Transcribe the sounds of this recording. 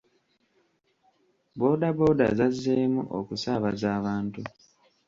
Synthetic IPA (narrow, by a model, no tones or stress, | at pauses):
bo̞ːdabo̞ːda̰zazːeːmṵʔo̰kusaβazaːβaːntu